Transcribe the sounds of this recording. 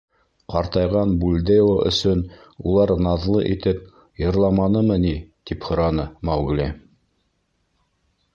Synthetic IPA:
qɑɾt̪ɑjʁɑnbulʲd̪eloʔɵ̰̆sɵn | ulˠɑɾnɑðlˠɤ̰ʔit̪ɘp̚ | jɤ̆ɾlˠɑmɑnɤmɤnit̪iphŏɾɑnɤmɑwɡlʲi

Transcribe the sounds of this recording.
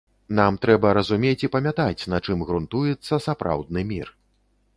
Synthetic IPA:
namt̪ɾɛbɐɾɐzumʲet͡sʲipɐmʲat̪at͡sʲnɐt͡ʂɨmɣɾunt̪ujɛt̪sːɐsapɾa̰wd̪̚nɨmʲir

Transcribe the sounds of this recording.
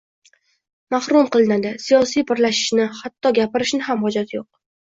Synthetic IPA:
mahɾumqɨlˠɪnad̪ɪsijɒsijpɪɾlaʃɪ̥ʃnɪhat̪ːɒɡʲapɪɾɪʃnɪɦamhɒd͡ʒat̪ʰjoq̚

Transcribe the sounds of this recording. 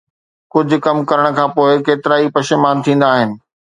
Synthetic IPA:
kʊd͡ʑʱʊ̆kɐmkɐɾəɽ̃ə̆kʰãːpoːɪkeːt̪ɪɾaːipɐʃɪmaːnt̪ʰĩːn̆d̪aːɦɪnɪ̆

